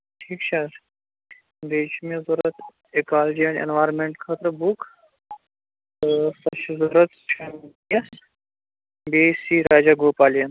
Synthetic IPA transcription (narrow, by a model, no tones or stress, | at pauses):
ʈʰiːkt͡ʃʰɐɾ | d̪eːʃmẽzuɾɐt̪ | ekaːld͡ʒiɐ̃nḛnʋaːɾnmẽɳʈkʰat̪ɾɐbukʰ | sɐʃzuɾɐt̪ʃɐ | jɐs | beːsiːɾaːd͡ʒaːɡoːpaːlijɐn